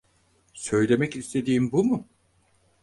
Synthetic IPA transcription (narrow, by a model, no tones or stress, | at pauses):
sø̞jlʲe̞mɛcist̪ʰe̞d̪iːmbumu